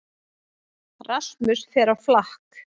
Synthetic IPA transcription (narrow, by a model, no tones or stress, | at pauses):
rasmʏsfɛɾawflahk